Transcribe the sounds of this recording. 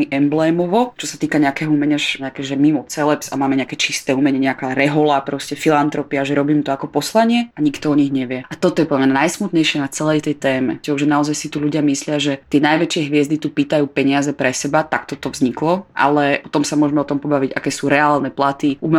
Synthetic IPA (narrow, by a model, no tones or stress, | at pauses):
iʔɛmblɛːmɔʋɔt͡ʃɔsat̪iːkaɲɛakɛːɦɔumɛɲaʒɲɛakɛʒɛmimɔt͡sɛlɛpsamaːmɛɲɛakɛt͡ʃist̪ɛːuːmɛɲɛɲɛakaːɾɛɦɔlapɾɔscɛfilant̪ɾɔpiaʒɛɾɔbiːmt̪ɔakɔpɔslaɲɪɛaɲikt̪ɔɔɲiɦɲɛʋɪɛat̪ɔt̪ɔjɛpɔldmnajsmut̪ɲɛjʃɪɛnat͡sɛlɛjt̪ɛjt̪ɛːmɛ̰t͡ʃiɔʒɛnaɔzajsit̪uʎuɟɪamislɪaʒɛt̪ɪɛnajʋɛt͡ʃɪɛɦʋɪɛzd̪it̪upit̪ajuːpɛɲɪazɛpɾɛsɛbat̪akt̪ɔt̪ɔvzɲiklɔʔa̰lɛʔɔt̪ɔmsamʊɔʒɛmɛɔt̪ɔmpɔbaʋiɟa̰kɛːsuːɾɛaːlnɛplat̪iʔumɛ